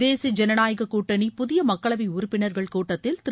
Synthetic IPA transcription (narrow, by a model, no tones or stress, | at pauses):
eːsid͡ʒɛnɐnaːjɐɣɐkuːʈːɐnipʊðɪjɐmɐkːɐɭɐʋɐɪʊɾʊpːɪnɐɾɣɐɭkuːʈːɐt̪ːɪlt̪ɪ